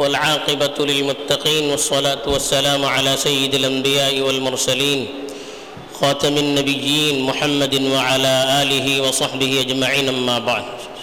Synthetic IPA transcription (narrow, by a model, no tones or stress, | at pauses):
walʕɑːqɨbalɪlmʊt̪ːɑqiːnwɑsˤːɑlaːt̪wasːalaːmʕalaːsajːɪd̪alʔambɪjaːʔɪwalmʊɾˤsaliːn | xɑːt̪amanːabɪjːiːnmʊħamːad̪wɪʕalaːʔaːlɪɦɪwɑsˤɑħbɪhɪʔad͡ʒmaʕiːnʔamːaːbaʕd̪